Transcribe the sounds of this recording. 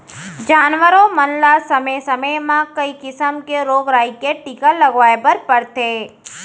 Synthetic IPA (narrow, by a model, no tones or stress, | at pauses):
d͡ʒaːnʋəɾõmənlasəməjsəməjmãkəikɪsəmkeɾoːɡɾaːikeʈikaləɡʋaːjebəɾpəɾt̪e